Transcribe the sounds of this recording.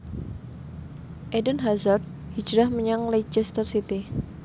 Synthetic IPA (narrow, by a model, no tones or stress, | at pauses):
ʔedənɦazart̪̚hi̥d͡ʒɾahməɲaŋled͡ʒɪst̪ərsit̪i